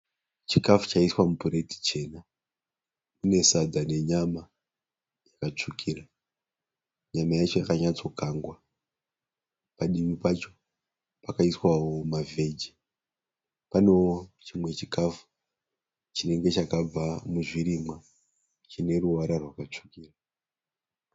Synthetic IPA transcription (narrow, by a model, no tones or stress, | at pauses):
t͡ʃikafu̥t͡ʃaiswamupuɾe̞ti̥t͡ʃe̞ːna | mune̞sad͡zane̞ɲama | jakat͡ʂukʰira | ɲamajat͡ʃo̞jakaɲat͡so̞kaːŋɡwa | paɗimipat͡ʃo̞̥ | pakaiswawo̞mave̞d͡ʒi | pano̞t͡ʃimwe̞t͡ʃikafu̥ | t͡ʃine̞ŋɡe̞t͡ʃakab͡vamuʐiɾimwa | t͡ʃine̞ruʋaɾarwakat͡ʂu̥kiːra